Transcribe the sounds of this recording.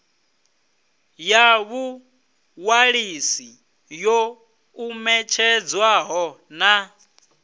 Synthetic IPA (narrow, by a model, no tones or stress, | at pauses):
jaβu | waɺisi | jo | umɛt͡ʃʰɛd͡zwaɦɔna